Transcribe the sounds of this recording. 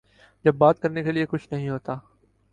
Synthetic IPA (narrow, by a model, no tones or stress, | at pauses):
d͡ʒɐbːaːt̪̚kɐɾnekeliekʊt͡ʃʰnɐɦĩɦoːt̪aː